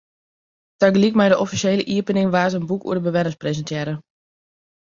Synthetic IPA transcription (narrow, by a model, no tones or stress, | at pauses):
taɡlikmɛjdəʔɔfiseːləʔiəpənɪŋʋaːtənbukṵədəbəʋɛnəmsprezəntjɛɾə